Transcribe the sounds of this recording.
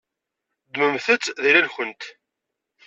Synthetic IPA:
d̪məmθət͡sːðilælçənt̪

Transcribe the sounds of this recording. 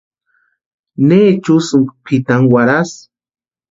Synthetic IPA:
neːt͡ʃʊsʊŋpʰɪt̪aŋwaɾas

